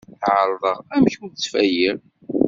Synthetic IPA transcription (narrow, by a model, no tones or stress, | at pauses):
θʕəɾˤðˤəʁæmçut͡sːfæjiɾ